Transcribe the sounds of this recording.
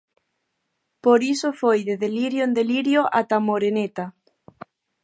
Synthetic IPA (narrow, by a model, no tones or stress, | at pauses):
poɾisofojðeðeliɾjoend̪eliɾjoʔat̪amoɾenet̪a